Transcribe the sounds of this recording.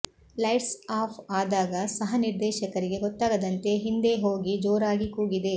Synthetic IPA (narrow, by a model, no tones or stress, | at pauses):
lɐjʈsaːpʰaːd̪aːɡɐsɐɦɐniɾd̪ɛːʃɐkɐɾiɡe̞ɡɔt̪ːaːɡɐd̪ɐnt̪e̞ɦind̪eɦoːɡid͡ʒoːɾaːɡikuːɡid̪e̞